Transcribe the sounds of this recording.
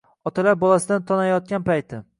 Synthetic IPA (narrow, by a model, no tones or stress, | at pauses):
ɒt̪ʰalaɾbɒlˠasɪd̪ant̪ʰɒnajɒt̪̚kʲanpajt̪ʰɪ